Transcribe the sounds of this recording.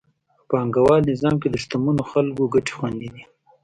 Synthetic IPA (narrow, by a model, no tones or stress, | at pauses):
pɑŋɡawɑlnɪzɑmked̪əʃt̪amunoxalɡoɡaʈe̥xwand̪id̪i